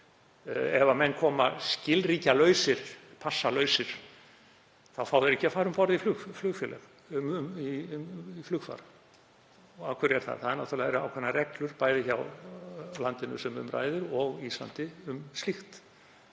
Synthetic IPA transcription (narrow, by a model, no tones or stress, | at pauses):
ɛvamɛnːkʰɔːmascɪlriːcalœːɥsɪɾ̥pʰasːalœːɥsɪɾ̥ | θawfaːwðɪɾɛhcɪafaːɾʏmpɔɾðiflʏɣflʏɣfjɛlɛɣ | mmiiflʏɣfa̰ɾ | ɣawkʰvɛɾɛɾ̥θa̰ðθaðɛnawt̪ʰʏɾlaðɛɾʏa̰wkʰvɛnːarɛklʏɾpaːjðɪçaw | lant̪ɪnʏ̰sɛmʏ̰mra̰jðɪɾɔɣiːsla̰nt̪ɪʏmst̪ixt̪